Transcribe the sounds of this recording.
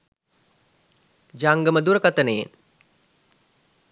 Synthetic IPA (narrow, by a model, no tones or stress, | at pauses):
d͡ʒaŋɡəməd̪uɾəkat̪ənəjḛn